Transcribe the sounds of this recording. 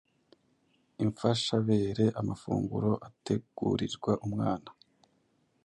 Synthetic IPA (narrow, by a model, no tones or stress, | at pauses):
iɱfaʃaβe̞ːɾe̞ʔamafṵːŋɡuɾo̞ʔatʰe̞ɡ̥ṵɾiɾɡwaʔumŋaːna